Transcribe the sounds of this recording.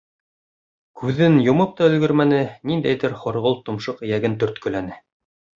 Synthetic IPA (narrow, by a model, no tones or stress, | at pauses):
kʰʉðɘnjŏmɤp̚t̪ɑɵ̆lɡɵɾmænɘnind̪æjðɘɾχŏɾʁolˠt̪ŏmʃɤqɘ̆jæɡɘnt̪ɵɾt̪kɵ̆lænɘ